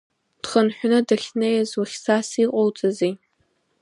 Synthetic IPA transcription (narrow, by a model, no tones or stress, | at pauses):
d̥χənħʷᶣanɨdaχʲnejazwaχʲsasiqʼowt͡sʼɨzi